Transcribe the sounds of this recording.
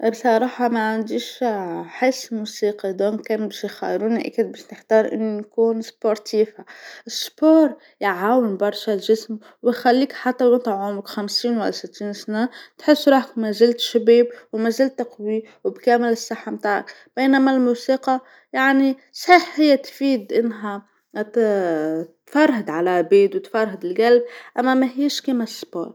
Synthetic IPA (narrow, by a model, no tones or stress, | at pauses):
bsˤɑɾˤɑːħɑmaʕand̪iʃħɪsːmuːsiːqɑd̪oːnkæːnbæʃjxæ̰jɾuːniʔa̰kɪd̪̚bæːʃnɪħt̪ɑːɾˤʔɪ̰nːunkuːnspoɾˤt̪ʰiːfaʔɪspoːɾˤ | jʕaːwɪnbɑɾˤʃalʒɪsm | wɪjxælːiːkħat̪ːaʊnt̪ˤaʕumɪkxamsiːnwɪ̰lːasɪt̪ːiːnsnat̪ħɪsːɾˤuːħkmæzɪlt̪ʃabeːb̚wmæzɪlt̪ːɑqwiwɪbkæːmɪlɪsːɑħːamt̪aːʕa̰k | b̥eːnæmælmuːsiːqɑ | jaʕnisˤħiːħhɪjːæt̪fiːd̪ʔɪnːɦæ | t̪fɑɾˤɦɪd̪ʕalæbeːd̪wɪt̪fɑɾˤɦɪd̪ɪlɡalb̚ʔæmːæmæɦiːʃkiːmæspo̰ːɾˤ